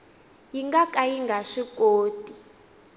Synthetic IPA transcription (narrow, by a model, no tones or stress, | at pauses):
jiŋɡakʼajiŋɡʱaʂikʼoːtʼi